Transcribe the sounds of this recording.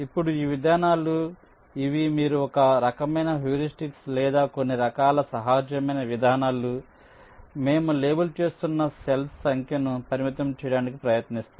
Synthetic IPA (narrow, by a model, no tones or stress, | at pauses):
ipːuɽuiːʋid̪ʱaːnaːlu | iʋimiːɾuɔkɐɾɐkɐmɐjnɐɦjuːɾisʈikslɛːd̪aːko̞nːiɾɐkaːlɐsɐɦaːd͡ʒjɐmɐjnɐʋid̪ʱaːnaːlu | me̞ːmule̞ːbɐlt͡ʃe̞ːst̪unːɐselssɐŋkʰjɐnupɐɾimit̪ɐmt͡ʃɛjɽaːnikipɾɐjɐt̪nist̪u